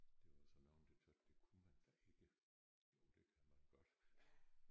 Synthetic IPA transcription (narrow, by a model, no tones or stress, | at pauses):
d̥e̝ʋɑsɒnɑ̈ʊnd̥e̝t͡sʰød̥d̥e̝kʰunmænsɑe̝ɡ̥ə | jo̝ːd̥e̝kʰæmænɡ̥ɒ̽d̥